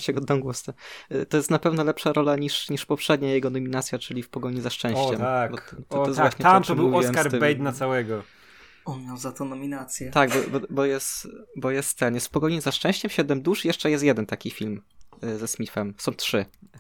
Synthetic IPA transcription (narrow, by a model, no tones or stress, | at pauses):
t͡ɕɛɡɔd̪ɔ̃w̃ɡwɔst̪ɛt̪ɔjɛst̪napɛvnɔlɛpʂaɾʔɔlaɲiʂɲiʂpɔpʂɛd̪ɲajɛɡɔnɔmʲinat̪sʲjat͡ʂɘlʲifpɔɡɔɲizaʂt͡ʂɛ̃w̃ɕt͡ɕɛmakbɔt̪ɔɔjɛsvwaɲɛt̪aɔmtʂɔmbɘwuvʲɔiw̪ɛmkaɾt̪bɛjd̪nat̪sawɛɡɔ | ɔnmʲjawzat̪ɔnɔmʲinat̪sʲjɛt̪aɡbɔbɔbɔjɛst̪bɔjɛst̪t̪ːɛnjɛst̪fpɔɡɔɲizaʂt͡ʂɛ̃w̃ɕt͡ɕɛmɕɛd̪ɛmd̪uʂjɛʂt͡ʂɛjɛst̪jɛd̪ɛnt̪akʲifʲilmzɛsmʲifɛmsɔ̃w̃tʂɘ